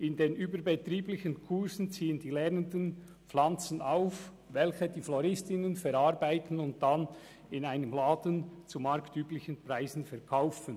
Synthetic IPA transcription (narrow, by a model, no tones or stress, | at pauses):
ɪndeːnʔyːbəɾbɛtʁiːblɪçənkʰʊɾzn̩t͡siːəndiːlɛʁnəndən | p͡flant͡sənaʊf | vɛlçədiːflɔɾɪstɪnənfɛɾaʁbaɪtən̩ʊnt̚d̥an | ɪnaɪnəmlaːdənt͡sumaɾktyːblɪçənpʁaɪzn̩fɛʁkʰaʊfən